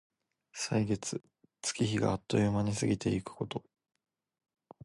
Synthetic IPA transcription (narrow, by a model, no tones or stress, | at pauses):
saiɡe̞t͡sɨ | t͡sɨ̥kʲiçiɡa̰ːt̪ːo̞jɯmaɲ̟isɨɡʲit̪e̞ikɯ̟̥ko̞t̪o̞